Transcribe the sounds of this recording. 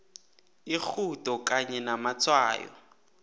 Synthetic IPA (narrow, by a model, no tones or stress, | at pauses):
ik͡xʰutɔkaɲɛnamat͡sʰwa̰ːjɔ̰